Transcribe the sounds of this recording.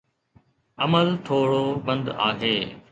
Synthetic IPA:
ɐməlt̪ʰoːɽoːbə̃nd̪a̰ːɦeː

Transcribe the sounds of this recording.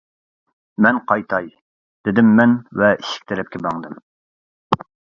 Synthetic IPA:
mɛnqʰɑjt̪ʰɑj | d̪̥ɪd̪ɪmːɛnvɛiʃɪ̥k̚ʲt̪ʰɪɾɛp̚kʲɛbɑŋd̪ɨm

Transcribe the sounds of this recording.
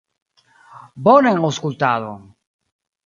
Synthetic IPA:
boneŋowskult̪aðo

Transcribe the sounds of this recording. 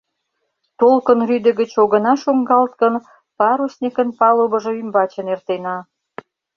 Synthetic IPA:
t̪olkənryd̪ə̆ɣət͡ɕoɣə̆nɑʃoŋɡɑlt̪kən | pɑɾusnʲikənpɑloβə̆ʒɤ̆ymbɑt͡ɕə̆nert̪enɑ

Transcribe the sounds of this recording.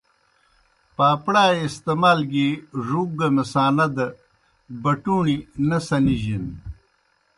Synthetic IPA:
paːpɽaːist̪emaːlɡiʐuɡɐmesaːnɐd̪ɐ | bɐʈuːɳinɐsɐniʑin

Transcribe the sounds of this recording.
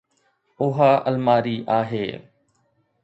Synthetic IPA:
ʊɦaːʔəlmaːɾiːʔaːɦeː

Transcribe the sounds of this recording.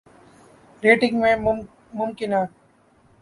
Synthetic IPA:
ɾeːʈɪ̃ŋɡmẽː | mʊmkɪnãː

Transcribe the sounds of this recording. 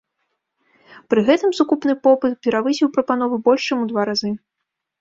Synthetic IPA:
pɾɨɣɛt̪ɨmsukupn̪ɨpɔpɨt̪pʲɛɾavɨsʲiwpɾɐpan̪ɔvɨbɔlʲʂt͡ʂamud̪vaɾazɨ

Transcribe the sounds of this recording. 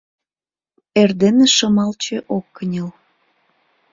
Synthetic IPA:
erd̪eneʃəmɑlt͡ɕeʔokːənʲəl

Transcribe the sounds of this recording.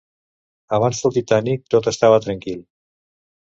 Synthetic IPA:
aβansfuɾt̪it̪anik̚t̪ot̪əst̪aβat̪ɾaŋkilˠ

